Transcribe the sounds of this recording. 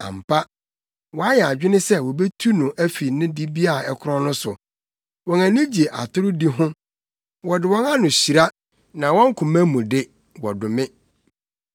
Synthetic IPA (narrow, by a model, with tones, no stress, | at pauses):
ã̰˨m̩˨pʰa˦ | wɔ˨a˦jɛ˨a˨d͡ʑᶣɪ˦nɪ̃˦sɛ˦wɔ˨be˦tʰu˦nʊ̃˨ʔæ˦fi˨nɪ̃˦di˦bi˦a˦˨ɛ˨kʰʊ˦ɾɔ̃˦nʊ̃˦sʊ˨ | wɔ̃˨næ̃˨nɪ̃˦d͡ʑi˨e˨ʔa˨tʰʊ˦ɾʊ˦di˦ɦʊ̃˦ | wɔ˨dɪ˨wɔ̃˦nã˦nʊ̃˨ɕi˨ɾa˦ | nã˨wɔ̃˦ŋ̩˦kʰʊ̃˨mæ̃˦mũ˨dɪ˦ | wɔ̰˨dʊ˨mɪ̃˦